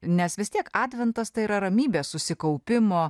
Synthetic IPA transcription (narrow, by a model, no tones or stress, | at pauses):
nʲɛsʋʲɪst̪ʲiɛkɑːd̪ʲʋʲɛnt̪ɐst̪ɐɪiɾɐɾɐmʲiːbʲeːssʊsʲɪkɐʊpʲɪmoː